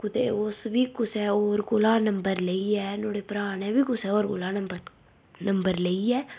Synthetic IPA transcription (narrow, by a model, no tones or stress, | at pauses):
kut̪ḛosʋikusɛoːɾkulãːnɐmbɐɾlɐjɛnoːɽepɾaːɳɛʋikusɛoːɾkulãːnɐmbɐɾ | nɐmbɐɾlɐjɛ